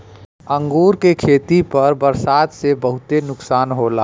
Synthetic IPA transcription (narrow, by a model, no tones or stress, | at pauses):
əŋɡuːɾkekʰeːt̪ipəɾbəɾsaːd̪sebəɦʊt̪enʊksaːnɦolaː